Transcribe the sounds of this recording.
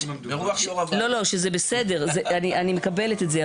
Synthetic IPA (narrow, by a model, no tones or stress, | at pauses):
lo̞lo̞ʃezebesedeʁzeaniʔanimekabe̞let̪etze